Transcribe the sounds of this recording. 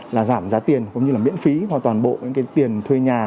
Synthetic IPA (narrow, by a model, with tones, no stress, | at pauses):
laː˨˩zaː˧˩mzaː˨˦t̪i˨˩ənkʊ̰˧˨˦ŋ͡mɲɨ˧laː˨˩mḭ˧˥ənfi˨˦maː˨˩t̪waː˨˩nɓo̰˧˨ɲɨ̰˧˥ŋkaː˨˦jt̪i˨˩ənt̪ʰwe˧ɲaː˨˩